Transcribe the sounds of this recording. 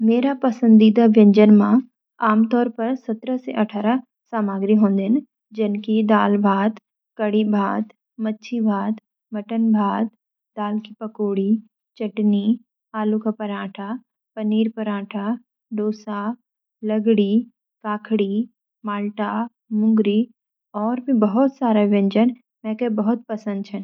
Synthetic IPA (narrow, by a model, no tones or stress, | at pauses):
meːɾapɐsə̃nd̪iːd̪aʋɐ̃ɲd͡ʒənmã | aːmt̪ɔːɾpɐɾsɐt̪ɾəsḛʔɐʈʰaːɾa | saːmaːɡɾiɦõːnd̪ɪn | d͡ʒɪnkid̪aːlbʱaːt̪ | kɐɽibʱaːt̪ | mɐtːʃʰibʱaːt̪ | mɐʈənbʱaːt̪ | d̪aːlkipɐkoːɽi | t͡ʃɐʈni | aːlukapɐɾãːʈʰa | pɐniːɾpɐɾãːʈʰa | ɖoːsa | ləɡɽi | kaːkʰɽi | maːlʈa | mʊ̃ŋɡɾi | ɔːɾbʱĩbəɦʊt̪saːɾaʋẽɲd͡ʒən | mɛ̃kebɐɦʊt̪̚pɐsə̃nd̪̚t͡ʃʰɛn